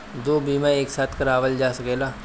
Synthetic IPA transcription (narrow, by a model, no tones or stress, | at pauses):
d̪oːbiːmãeːksaːt̪ʰkɐɾaːʋəld͡ʒaːsɐkeːlaː